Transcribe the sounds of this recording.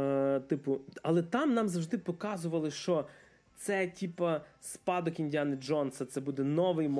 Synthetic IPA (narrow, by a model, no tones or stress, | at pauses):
t̪ɪpʊɐlˠɛt̪ɑmnɑmzɐwʒd̪ɪpɔkɑzʊʋɐlˠɪʃt͡ʃɔ | t̪sɛtʲipɐspɑd̪ɔkinʲdʲanɪd͡ʒɔnsɐt̪sɛbud̪ɛnɔʋɪjm